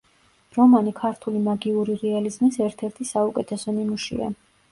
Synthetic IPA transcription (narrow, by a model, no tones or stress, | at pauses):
ɾɔmanikʰaɾt̪ʰulimaɡiuɾiɾɛalizmisɛɾt̪ʰɛɾt̪ʰisaukʼɛt̪ʰɛsɔnimuʃḭa̰